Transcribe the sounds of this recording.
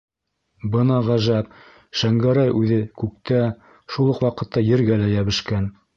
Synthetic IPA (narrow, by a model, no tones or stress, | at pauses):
bɤnɑʁæʒæp̚ | ʃæŋɡæɾæjʔʉðɘkʉk̚t̪æ | ʃulˠɤqwɑqɤ̆t̪ːɑjɘ̆ɾɡælæjæβɘ̆ʃkæn